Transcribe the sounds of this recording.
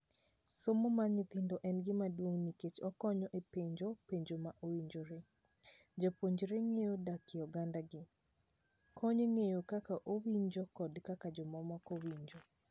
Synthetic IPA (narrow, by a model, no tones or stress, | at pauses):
somomaɲɪt̪ɪndɔʔɛnɡɪmadwoŋniket͡ʃɔkɔɲɔʔepeɲd͡ʒopeɲd͡ʒomaʔowiɲd͡ʒoɾe | d͡ʒapoɲd͡ʒɾeŋejodakjɔɡandaɡɪ | kʰɔɲeŋejokakaʔowiɲd͡ʒokɔdkakad͡ʒɔmɔmɔkowiɲd͡ʒo